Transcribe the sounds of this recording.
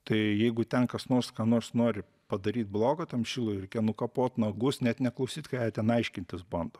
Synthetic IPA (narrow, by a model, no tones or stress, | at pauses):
t̪ɐɪjɛɪɡʊt̪ʲɛnkɐsnoːrskɑːnoːrsnoːɾʲɪ | pɐd̪ɐɾʲiːt̪̚blˠoːɡot̪ʲɛnʃʲɪːlˠʊɾʲɛɪkʲeːnʊkɐpoːt̪nɐɡʊsnʲɛt̪nʲɛklˠɐʊsʲiːt̪ʲkɑːjɛt̪ʲɛnɐɪʃʲkʲɪnʲt̪ʲɪsbɐnd̪o